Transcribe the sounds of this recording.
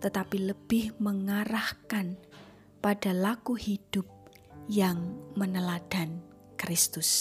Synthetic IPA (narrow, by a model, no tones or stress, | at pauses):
t̪ət̪apiləb̥ɪhməŋaɾahkan | paɖ̥a̤lakuhid̥ʊp̚ | jaŋmənəlad̥a̤n | kɾɪst̪ʊs